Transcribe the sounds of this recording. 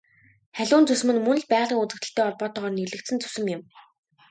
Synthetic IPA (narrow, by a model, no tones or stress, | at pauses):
χæɮʲʊːnt͡sɵs̆mɘ̆nmɵn̆ɮpæːʁɮiːŋut͡sɘ̆k̚t̪ə̆ɬt̪ʰæːɔɮpɔːt̪ɔʁɔːrnirɮɘ̆k̚t̪sɘ̆nt͡sɵ̥sɘ̆mjɪ̆m